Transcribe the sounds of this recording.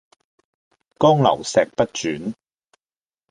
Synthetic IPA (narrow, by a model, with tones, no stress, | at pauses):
kɔː˥ŋlɐ̰˨˩wsɛː˨k̚pɐ˥t̚t͡ʃyː˨˥n